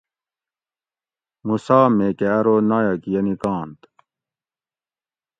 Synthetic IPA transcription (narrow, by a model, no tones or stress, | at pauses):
musaːmeːkeɐɾoːnaːjakijɐnikãːnt̪